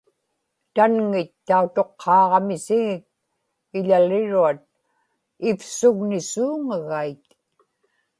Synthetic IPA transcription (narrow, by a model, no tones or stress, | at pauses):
t̪anŋɪt̪ːaut̪o̞qʰːɑːʁɑmɪsɪŋɪk̚ | ɪʎalɪɻuat̪̚ | ɪfsʊɣnɪsuːŋaɣait̪